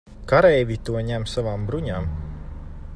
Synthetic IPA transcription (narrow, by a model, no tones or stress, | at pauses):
kaɾɛjvʲit̪uɔɲæmsavaːmbɾuɲaːm